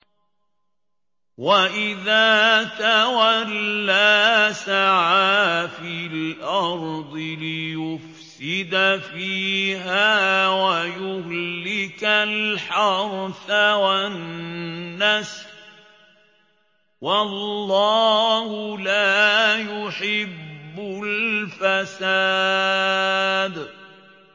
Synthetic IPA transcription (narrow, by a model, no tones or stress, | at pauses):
waʔɪðaːt̪awalːaːsaʕaːfilʔɑɾˤd̪ˤɨlɪjʊfsɪd̪afiːɦaːwajʊhlːɪkalħɑɾˤθawannː | as | wallːɑːhʊlaːjʊħɪbːʊlfasaː | d̪